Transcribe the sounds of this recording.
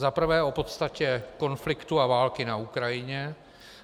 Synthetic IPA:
zapr̩vɛːo̞po̞t̪st̪acɛko̞nflɪkt̪uavaːlkɪnaukɾajɪɲɛ

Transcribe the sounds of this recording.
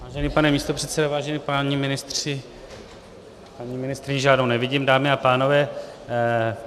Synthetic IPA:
vaːʒɛniːpanɛmiːst̪o̞pr̥ɛt̪sɛdovaːʒɛnipaɲimɪnɪst̪r̥ɪ | paɲimɪnɪst̪ɾɪɲɪʒaːdnownɛvɪɟiːmdaːmɪapaːno̞vɛː

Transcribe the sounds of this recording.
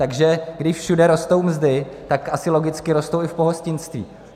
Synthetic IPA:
t̪aɡʒɛɡdɪʃfʃudɛɾo̞st̪owmzdɪt̪akʔasɪlo̞ɡɪt͡skɪɾo̞st̪owɪfpo̞ɦoscɪnst̪vḭː

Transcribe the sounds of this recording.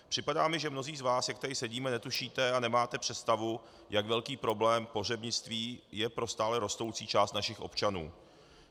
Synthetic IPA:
pr̥ɪpadaːmɪʒɛmno̞ziːzvaːsjak̚t̪ɛɾɪsɛɟiːmɛnɛt̪uʃiːt̪ɛanɛmaːt̪ɛpr̝̥ɛt̪st̪avu | jakvɛlkiːpɾo̞blɛːmpo̞r̝ɛbɲɪt͡st̪viːjɛpɾo̞st̪aːlɛɾo̞st̪o̞wt͡siːt͡ʃaːst̪naʃɪxʔo̞̰pt͡ʃanṵː

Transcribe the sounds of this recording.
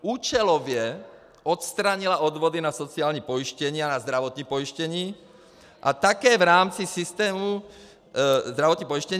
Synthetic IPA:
uːt͡ʃɛlɔʋɪɛ | ɔt̪st̪ɾaɲilaɔd̪ʋɔd̪inasɔt͡siaːlɲipɔiʃcɛɲiːanazd̪ɾaʋɔt̪ɲipɔiʃcɛɲiː | ʔat̪akɛːvɾaːmt͡sisist̪ɛːmu | zd̪ɾaʋɔt̪ɲiːpɔiʃcɛɲ

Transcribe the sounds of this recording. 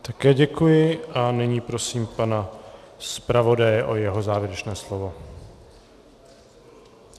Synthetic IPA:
t̪akɛːɟɛkujɪʔanɪɲiːpɾo̞siːmpanaspɾavo̞dajɛʔo̞jɛɦo̞zaːvjɛɾɛt͡ʃnɛːslovo̞

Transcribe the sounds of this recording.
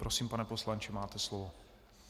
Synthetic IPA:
pɾʔosiːmpanɛpo̞slant͡ʃɪmaːt̪ɛslovo

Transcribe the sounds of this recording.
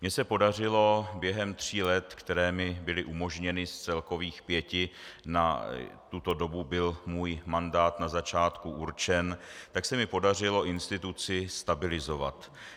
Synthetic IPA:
mɲɛsɛpo̞dar̝ɪlo̞bjɛɦɛmt̪r̝̥iːlɛt̪kt̪ɛɾɛːmɪbɪlɪʔumo̞ʒɲɛnɪst͡sɛlko̞viːxpjɛcɪna̰t̪ut̪o̞do̞bubɪlmuːjmandaːt̪nazat͡ʃaːt̪kuʔuɾt͡ʃɛnt̪aksɛmɪpo̞dar̝ɪlo̞ʔɪnst̪ɪt̪ut͡sɪst̪abɪlɪzo̞vat̪

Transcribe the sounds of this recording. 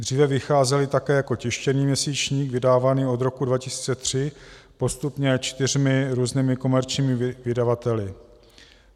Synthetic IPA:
d̪r̝iːvɛvɪxaːzɛlɪt̪akɛːjako̞cɪʃcɛniːmɲɛsiːt͡ʃɲiːɡvɪdaːvaniːʔo̞d̪ɾo̞kudvacɪsi̥ːt͡sɛt̪r̝̥ɪpo̞st̪upɲɛt͡ʃt̪ɪr̝mɪɾuːzniːmɪko̞mɛɾt͡ʃɲiːmɪvɪdavat̪ɛlɪ

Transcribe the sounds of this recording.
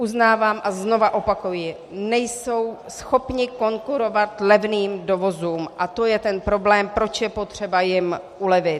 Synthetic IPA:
uznaːvaːmʔazno̞vaʔo̞pakujɪ | nɛjso̞wsxo̞pɲɪko̞ŋkuɾo̞vat̪lɛvniːmdo̞vo̞zuːmʔat̪o̞jɛt̪ɛnpɾo̞blɛːmpɾo̞t͡ʃjɛpo̞t̪r̝̥ɛbajɪm | ʔulɛvɪt̪

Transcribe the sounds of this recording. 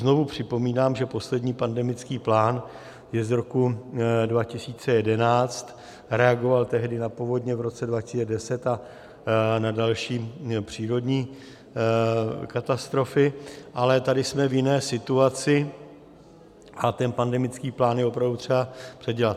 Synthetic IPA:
zno̞vupr̝̥ɪpo̞miːnaːmʒɛpo̞slɛdɲiːpandɛmɪt͡skiːplaːn | jɛzɾo̞kudvacɪsiːt͡sɛjɛdɛnaːt͡st̪ | ɾɛaɡo̞valt̪ɛɦdɪnapovo̞dɲɛvɾo̞t͡sɛdvacɪ̥siːt͡sɛdɛsɛt̪a | nadalʃiːpr̝̥iːɾo̞dɲiː | kat̪ast̪ɾo̞fɪʔalɛt̪adɪsmɛvjɪnɛːsɪt̪uat͡sɪ | ʔat̪ɛnpandɛmɪt͡skiːplaːnjɛopɾavdut̪r̝̥ɛbapr̥ɛɟɛlat̪

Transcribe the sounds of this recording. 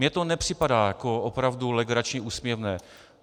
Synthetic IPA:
ɲɛt̪onɛpr̝̥ɪpadaːjakoopɾavdulɛɡɾat͡ʃɲɛʔuːsmjɛvnɛː

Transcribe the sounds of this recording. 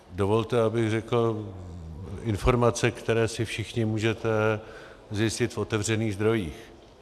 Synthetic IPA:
do̞vo̞lt̪ɛabɪɣrɛkl̩ | ɪnfo̞ɾmat͡sɛkt̪ɛɾɛːsɪfʃɪxɲɪmuːʒɛt̪ɛ | zjɪscɪt̪fo̞t̪ɛvr̝ɛniːɣzd̪ɾo̞jiːx

